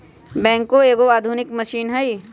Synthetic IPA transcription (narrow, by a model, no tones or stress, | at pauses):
bɛ̃ːŋkoeːɡoaːd̪ʱʊnɪkmɐʃiːnɦɐi